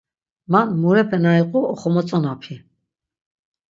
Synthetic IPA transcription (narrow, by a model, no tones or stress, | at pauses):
manmuɾɛpʰɛnaiqʼuɔχɔmɔt͡sʼɔnapʰi